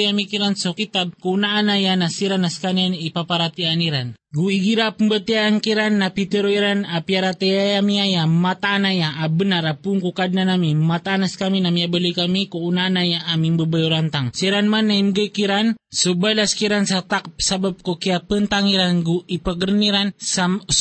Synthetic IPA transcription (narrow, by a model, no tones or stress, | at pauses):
jamikiɾansokit̪ab̚kounaːnajanasiɾanaskanianipapaɾat̪ianiɾanɡuiɡiɾapəmbət̪iaːnkiɾanːapit̪əɾoiɾanapiaɾat̪ejajamiajamat̪aːnajaabənaɾapuŋkukadnanamimat̪aːnaskaminamiabəlukamikounaːnajaːmimbəbajuɾant̪aŋsiɾanmanːaimɡəkiɾansubajlaskiɾansat̪ak̚pə̥sabab̚kokiapənt̪aŋiɾanɡuipaɡəɾəniɾansam